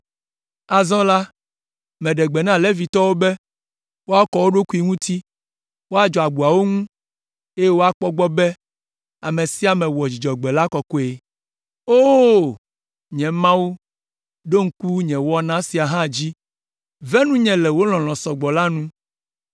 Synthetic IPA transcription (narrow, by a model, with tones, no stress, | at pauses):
a˨zɔ̃˦la˦ | mɛ̃˨ɖɛ˨ɡ͡bɛ˨nã˦lɛ˦vi˨t̪ɔ˦wo˦bɛ˦ | wo˦a˦kɔ˨wo˦ɖo˦ku˦i˦ŋũ˦t̪i˦ | wo˦a˦d͡ʒɔ˨a˨ɡ͡bu˨a˨wo˦ŋũ˦ | e˦je˦wo˦a˦k͡pɔ˦ɡ͡bɔ˦bɛ˦ | a˨mɛ̃˨si˦a˨mɛ̃˨wɔ˨d͡ʑi˨d͡ʒɔ˨ɡ͡bɛ˨la˦kɔ˨ko˦e˨ | o˦˨ | ɲɛ̃˨mã˦wu˦ | ɖo˦ŋ̩˦ku˦ɲɛ̃˨wɔ˦nã˦si˨a˨ɦã˦˨d͡ʑi˦ | vɛ˦nũ˦ɲɛ̃˨lɛ˨wo˦l̃ɔ̃˨lɔ̃˨sɔ˨ɡ͡bɔ˨la˦nũ˦